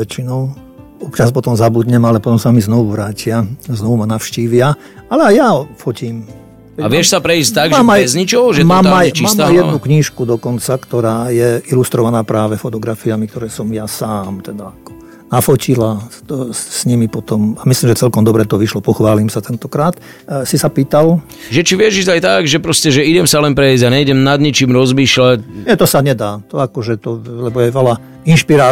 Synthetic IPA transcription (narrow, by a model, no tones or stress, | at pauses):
ʋɛt͡ʃinɔʊ | ɔpt͡ʃaspɔt̪ɔmzabud̪ɲɛmalɛpɔt̪ɔmsamiznɔʋuʋɾaːcɪaznɔʋumanafʃciːʋɪa | alɛajjafɔciːm | ɛaʋɛʃsapɾɛiːst̪aɡmaːmazɲit͡ʃɔʒɛmaːmajmaːmajjɛd̪nukɲiːʃkud̪ɔkɔnt͡sakt̪ɔɾaːjɛilust̪ɾɔʋanaːpɾaːʋɛfɔt̪ɔɡɾafiamik̚t̪ɔɾɛːsɔmjasaːmt̪ɛd̪aakɔ̥ | nafɔcila | sɲimipɔt̪ɔmamisliːmʒɛt͡sɛlkɔmd̪ɔbɾɛt̪ɔʋiʃlɔpɔxʋaːlimsat̪ɛnt̪ɔkɾaːt̪ | sisapiːt̪al | ʒɛt͡ʃiʋɪɛʒizajt̪aɡʒɛpɾɔscɛʒɛiɟɛmsalɛnpɾɛizɟaɲɛiɟɛmnad̪ɲit͡ʃiːmɾɔzmiːʃlacɲɛt̪ɔsaɲɛd̪aːt̪ɔakɔʒɛt̪ɔlɛbɔjɛʋɛla | inʃpiɾaː